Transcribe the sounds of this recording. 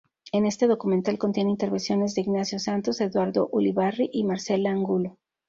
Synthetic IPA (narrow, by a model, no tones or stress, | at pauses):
e̞ne̞st̪e̞ðo̞kument̪alko̞nt̪je̞nint̪eɾβe̞nsjo̞ne̞zðeiɣnasjo̞sant̪ose̞ðwaɾðo̞ʔuliβariʔimaɾse̞laaŋɡulo